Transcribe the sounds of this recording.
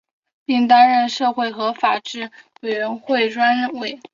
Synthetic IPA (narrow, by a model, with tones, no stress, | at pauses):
pi˥˩ŋt̪a˥nɻə˥˧nʂɤ˥˧xwe˥˩ɪxɤ˧˥fa˨˩ʈ͡ʂɻ̩˥˩we˨˩ɪɥə˧˥nxwe˥˩ɪʈ͡ʂwa˥nɻə˥˧nwe˥˩ɪ